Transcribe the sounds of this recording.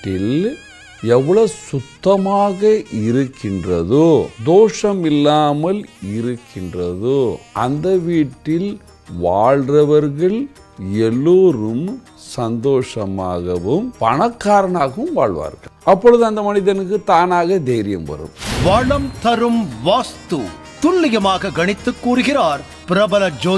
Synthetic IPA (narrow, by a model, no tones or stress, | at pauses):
ʈːɪl | ɛʋːɐɭɐsʊt̪ːɐmaːɣɐʔɪɾɯkːɪndrɐðod̪oːʂɐmɪlːaːmɐlɪɾɯkʰːɪndrɐðoʔɐnd̪ɐʋiːʈːɪl | ʋaːɭrɐʋɐɾɣɐɭ | ɛlːuːɾɯm | sɐnd̪oːʂɐma̰ːɣɐʋɯmpɐɳɐkːaːɾɐɳaːɣɐʋɯmʋaːɭʋa̰ːɾɣɐɭɐpːɔɻɯðɯɐnd̪ɐmɐnɪðɐnɯkːɯt̪aːnaːɣɐd̪eːɾɪjɐmʋɐ̰ɾɯ̰mʋɐɭɐmt̪ɐɾɯmʋaːst̪u | t̪ʊlːɪjɐmaːɣɐɡɐɳɪt̪ːɯkːuːɾɯɣɪɾaːɾ | pɪɾɐbɐlɐd͡ʒoː